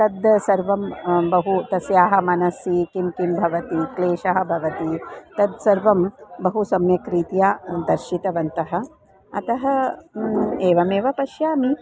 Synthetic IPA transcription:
t̪ɐd̪sɐɾʋɐmbɐɦut̪ɐsjaːɦɐ̆mɐnɐsikimkimbʱɐʋɐt̪ikleːʃɐɦɐ̆bʱɐʋɐt̪it̪ɐd̪sɐɾʋɐmbɐɦusɐmjɐkɾiːt̪jaːd̪ɐɾʃit̪ɐʋɐnt̪ɐɦɐ̆ | ɐ̰t̪ɐɦɐ | eːʋɐmeːʋɐpɐʃjaːmi

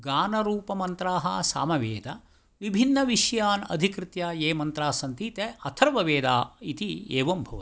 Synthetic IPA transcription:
ɡaːnɐɾuːpɐmɐnt̪ɾaːɦɐ̰sa̰ːmɐʋeːd̪ɐ̰ | ʋibʱinːɐʋiʃjaːnɐ̰d̪ʱikɾɪt̪jaːjeːmɐnt̪ɾaːsɐnt̪iːt̪eɐt̪ʰɐɾʋɐʋeːd̪aːit̪ieːʋɐmbʱɐʋɐ

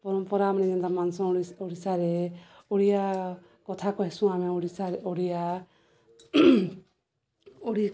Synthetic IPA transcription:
pɔɾɔmpɔɾamaniɡind̪amansɔ̃oɽisaɾeoɽija | kɔt̪ʰakɔɦesũameoɽisaɾoɽija | oɽi

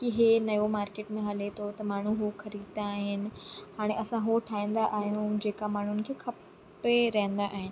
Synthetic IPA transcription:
kiɦenɐjomaːɾkeːʈmẽɦɐlet̪ʰot̪ɐmaːɳ̤uɦuxɐɾiːd̪d̪aːɦɪnɪ̆haːɽ̃ẽʔɐsãɦoʈʰaːĩːn̆d̪aʔaːɦijũd͡ʑeːkamaːɳ̤ʊnɪ̆kʰeːkʰɐp | eɾɐɦə̃nd̪aʔaːɦɪnɪ̆

